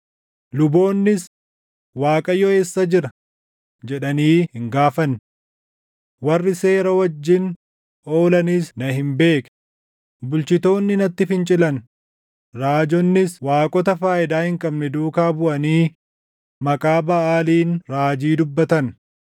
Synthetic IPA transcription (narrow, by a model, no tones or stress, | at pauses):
lʊbo̞ːnːɪs | waːkʼɐjɔeːsːɐd͡ʒɪɾɐ | d͡ʒɛᶑɐniːhɪŋɡaːfɐn | wɐrːɪse̞ːɾɐwɐd͡ʒːɪn | o̞ːlɐnisnɐhɪmbe̞ːkɛ̥ | bʊlt͡ʃɪt̪o̞ːnːɪnɐt̪ːɪfɪnt͡ʃʼɪlɐn | ɾaːd͡ʒɔnːɪswaːkʼɔt̪ɐfaːʔɪd̪aːhɪŋkʼɐbnɛd̪uːkaːbʊʔɐniː | mɐkʼaːbɐʔaːliːnɾaːd͡ʒiːd̪ʊbːɐt̪ɐn